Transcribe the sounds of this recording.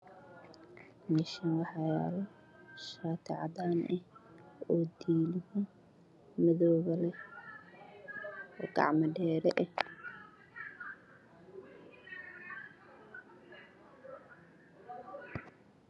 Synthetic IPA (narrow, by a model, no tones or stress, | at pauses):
mɪʃɐnwɑħɑja̰ːlɔ | ʃaːt̪ʰɛ̰ʕɑ̰d̪aːnʔɛhɔːd̪iːlɪjɛ | mɪðɔːɣɐlɛ | ɔ̰ːɡɑ̰ʕmɐɖɛːɾɛʔɛh